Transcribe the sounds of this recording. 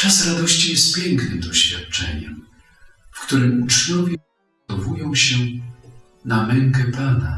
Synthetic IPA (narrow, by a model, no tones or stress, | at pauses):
t͡ʂasɾad̪ɔɕt͡ɕijɛst̪̚pʲjɛŋknɨmd̪ɔɕfʲjat̪̚t͡ʂɛ̰ɲɛ̰m | fkt̪uɾɘmut͡ʂɲɔvʲjɛ | t̪ɔvujɔ̃w̃ɕɛ | namɛŋkɛpana̰